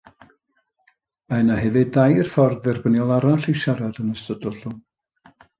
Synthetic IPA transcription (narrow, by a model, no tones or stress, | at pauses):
ajnahɛvɨdajrfɔrðɛrbənjɔlˠaɾaɬiʃaɾadənəstədɔɬʊn